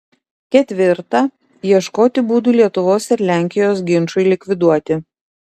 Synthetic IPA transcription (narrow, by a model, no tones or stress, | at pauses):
kʲɛt̪ʲʋʲɪɾt̪ɑ | jiɛʃkoːt̪ʲɪbuːd̪uːlʲiɛt̪ʊʋoːsɪɾlʲæˑŋʲkʲɪjoːsɡʲɪnʃʊɪlʲɪkʲʋʲɪd̪uɔt̪ʲɪ